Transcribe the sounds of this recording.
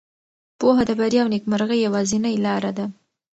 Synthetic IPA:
poɦad̪əbaɾjɑwnikmaɾɣəjːawazinəjlɑɾad̪a

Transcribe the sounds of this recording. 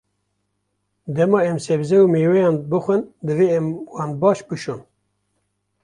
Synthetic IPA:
d̪ɛmɑːɛmsɛbzɛumeːwɛjɑːnbɨxʷɨnd̪ɨveːɛmwɑːnbɑːʃbɨʃon

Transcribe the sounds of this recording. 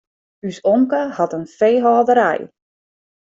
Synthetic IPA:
ysɔŋkəhɑtənfejɦɔːdəɾɛ̰j

